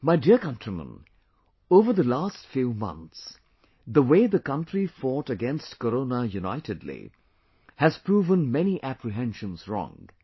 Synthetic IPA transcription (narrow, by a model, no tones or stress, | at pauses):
maɪdiəkʌ̃ntʰɹimə̰̃n | oːvə˞ðəlastfjuːmʌ̰̃nt̪s | ðəweɪðəkʌ̃nʈɾifɔʈəɡɛ̃nstkəɾõːnəjuna̰ɪtɨdlḭ | hæz̥pɹuːvə̃nmɛniʔæpɹiɦɛ̃nʃə̃nzɹɔ̰̃ŋ